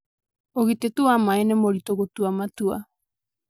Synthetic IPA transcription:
oɣit̪et̪uamaenemoɾit̪oɣot̪uamat̪ua̰

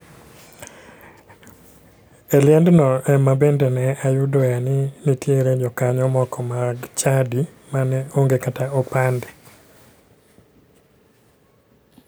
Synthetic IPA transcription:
eljɛndnɔʔɛmabendenɛajʊdɔjanɪnitjeɾed͡ʒɔkaɲɔmɔkɔmaɡt͡ʃadi | manɛoŋɡekataopandi

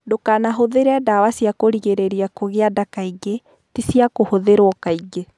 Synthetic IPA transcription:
dokanaɦoðeɾeadawasiakoɾiɣeɾeɾiakoɣeadakaiɡe | tisiakohoðeɾwɔkaiɡe

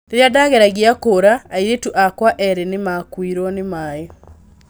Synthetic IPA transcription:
deɾjadaɣeɾaɣiakoːɾaːiɾetuʔakwaʔɛɾenemakwiɾɔnemaːe

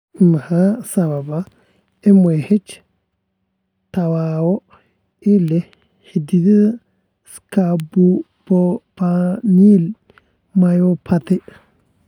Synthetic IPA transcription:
mahasababa | ɛmɔjhet͡ʃ | tawawɔ | ɛlɛ | hididɛ | skabu | b̥ɔpanil | majɔpʰatɛ

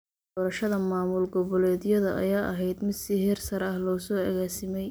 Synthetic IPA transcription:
d̪ɔːɾɐʃɐðɐmaːmʊlɡɔβɔlɛːðɪjɐðɐʔɐ̰jaːʔɐɦɛjd̪mɪd̪sɪɦɛrsɐɾɐhlɔːsɔːɐɣaːsɪmɛj

